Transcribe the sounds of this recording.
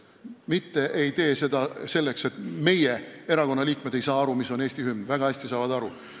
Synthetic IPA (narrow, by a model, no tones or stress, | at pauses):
mit̪ːe̞ʔe̞jt̪e̞ːse̞d̪ɑse̞lːe̞kse̞t̪me̞jeeɾɑko̞nːɑliːkme̞d̪̥e̞jsɑːɑɾumiso̞neːsʲt̪ihymvæɡ̥ɑæsʲt̪isɑːvɑd̪ɑɾu